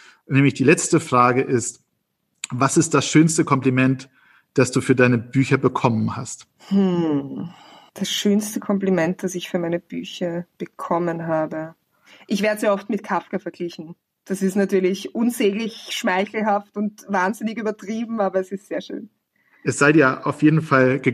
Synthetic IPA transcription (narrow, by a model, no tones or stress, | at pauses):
nɛːmlɪçd̥iːlɛt͡stəfʁ̥aːɡəʔɪst | vasɪst̚d̥asʃøːnstəkʰɔmplimɛnt | d̥asd̥uːfyːɐdaɪnəbyːçɐbəkʰɔmənha̰st | hm̩ | d̥asʃøːnstəkʰɔmplimɛnt̚d̥asɪçfyːɐmaɪnəb̥y̰ːçɐb̥əkʰɔmənɦaːbə | ʔɪçv̥ɛːɐəzeːɐɔftmɪt̚kʰafkɐfɛɐɡ̥lɪçn̩ | d̥asɪstnatyːɐlɪçʔʊnzeːɡlɪçʃmaɪçl̩ɦaftʊntvaːnzɪnɪkyːbɐtʁ̥iːbm̩aːbɐɛsɪstz̥eːɐʃø̰ːn | ʔɛsz̥aɪdiːɐʔaʊfjeːdn̩falɡə